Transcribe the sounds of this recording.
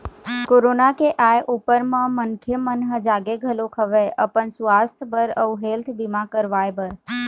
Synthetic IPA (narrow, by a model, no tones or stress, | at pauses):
koːɾonakeʔaːjʔupəɾmãmənkʰjəmənɦəd͡ʒaːɡeɡʱəlokʰəʋeʔə̰pənsʋaːst̪ʰbəɾəɦeːlt̪ʰbɪmãkəɾʋaːjbəɾ